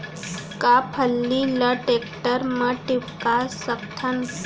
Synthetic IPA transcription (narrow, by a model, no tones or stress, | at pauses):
kapʰəlːiləʈekʈəɾməʈipkasəkt̪ʰən